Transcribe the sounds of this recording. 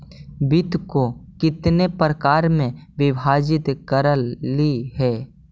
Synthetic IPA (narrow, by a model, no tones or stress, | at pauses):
bɪt̪kokɪt̪nepɾəkaːɾmẽʋɪbʱaːd͡ʒɪt̪kəɾəlːiɦɛː